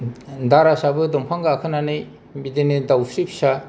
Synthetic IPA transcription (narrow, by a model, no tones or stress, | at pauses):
daɾasabɯdɔmpʰaŋɡaakʰɯnanɯj | bidenedawsɾipʰi̥sa